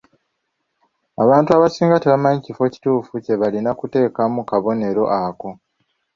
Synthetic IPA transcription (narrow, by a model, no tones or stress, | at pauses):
aβaːntuaβasiːŋɡate̞βamaɲicifo̞ci̥tuːfuce̞βalinakute̞ːkamukaβo̞ne̞ɾo̞̰ʔako̞